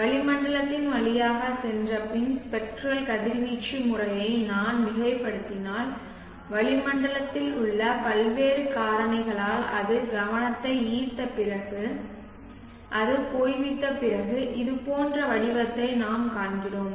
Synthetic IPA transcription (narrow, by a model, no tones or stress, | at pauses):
ʋɐɭɪmɐɳɖɐɭɐt̪ːɪnʋɐɭɪjaːɣɐsɛndrɐpɪnspɛk̚ʈrɐlkɐðɪɾʋiːt͡ʃːimʊrɐjɐɪnaːnʋɪɣɐɪpːɐɽɯt̪ːɪnaːl | ʋɐɭɪmɐɳɖɐlɐt̪ːɪlʊɭːɐpɐlʋeːɾɯkaːɾɐɳɐɪɣɐɭaːlɐ̰ðɯɡɐʋɐnɐt̪ːɐɪiːt̪ːɐpːɪrɐɣɯ | ʔɐðɯpoːjʋɪʈːɐpːɪrɐɣɯʔɪðɯpoːndrɐʋɐɭɪʋɐt̪ːɐɪnaːmkaːɳɡɪɽoːm